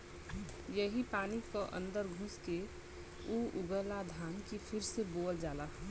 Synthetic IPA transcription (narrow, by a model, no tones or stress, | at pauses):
jəɦipaːnikoʔə̰̃nd̪əɾɡʱʊske | uːʔʊɡəlad̪ʱaːnkipʰɪɾseboːld͡ʒaːla